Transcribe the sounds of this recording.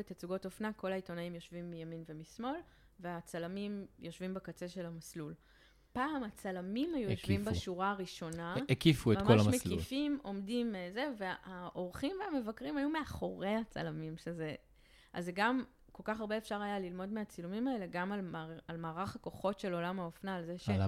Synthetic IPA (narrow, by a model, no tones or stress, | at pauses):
etat͡suɡo̞tofnako̞laito̞naimjo̞ʃvimːijaminvemismo̞l | ve̞at͡salamimjʔo̞ʃvimbekat͡se̞ʃe̞lamaslul | paːmat͡salamimhajujoʃvimbaʃuʁaːʁiʃo̞naekifuetmamkoalaʃmesifimo̞mdimze̞ve̞haʔo̞ʁχimveame̞vakʁimajume̞aχo̞ʁe̞hat͡sa̰lamimʃeze | ʔa̰zeɡam | ko̞lkaχaʁbe̞eːfʃaʁajalilmo̞dmeat͡silumimae̞le̞ɡamalalmaːʁaχako̞χo̞tʃe̞lo̞lamhaofnaːlzeʃe